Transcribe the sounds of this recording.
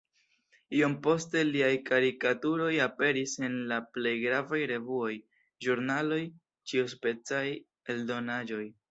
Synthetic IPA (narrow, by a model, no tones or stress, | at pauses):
io̞mpo̞ste̞liajkaɾikatuɾo̞jape̞ɾise̞nlaple̞jɡɾavajɾe̞vuo̞j | ʒuɾnalo̞j | t͡ʃiuspe̞t͡saj | e̞ldo̞nad͡ʒo̞j